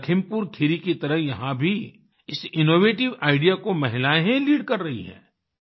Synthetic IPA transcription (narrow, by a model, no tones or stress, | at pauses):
kʰɪmpuːɾkʰɪɾikit̪ɐɾəɦjɐɦãbʱi | ɪsɪnoːʋeːʈɪʋaːɪɖijakomɐɦɪlaːjɦẽliːɖkɐɾːɐɦḭɦɛ̰̃ː